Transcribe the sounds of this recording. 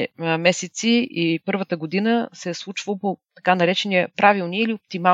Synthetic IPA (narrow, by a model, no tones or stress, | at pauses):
mɛsɛt̪siipɤɾvət̪əɡod̪inəsɛslˠut͡ʃvəlˠpot̪ɐ̥kanɐɾɛt͡ʃɛniəpɾavilˠniiliop̚t̪ima